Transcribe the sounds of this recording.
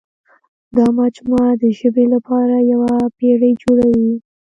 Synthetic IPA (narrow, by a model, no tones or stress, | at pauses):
d̪ɑmɑd͡ʒmɑd̪əʒəbelapɑɾajawapeɽəjd͡ʒoɽawi